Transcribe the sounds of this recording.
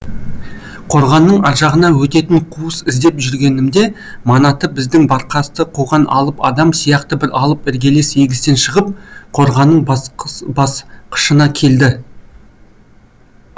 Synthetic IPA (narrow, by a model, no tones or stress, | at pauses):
qʰo̞ɾʁɑnːəɴɑɾʒɑʁənɑwɵt̪e̞t̪ɪɴqʰuəsɪzd̪e̞pʒʏɾɡʲe̞nɪmd̪e̞ | mɑnɑt̪əbɪzd̪ɪŋbɑɾqʰɑst̪əqʰuʁɑnɑ̰lˠəpɑ̰d̪ɑmsijɑqt̪əbɪɾɑlˠəpɪɾɡʲe̞le̞seɡʲɪst̪e̞nʃəʁəp̚qʰo̞ɾʁɑnːəɴbɑsqʰə̥ʃənɑkʲʰe̞ld̪ɪ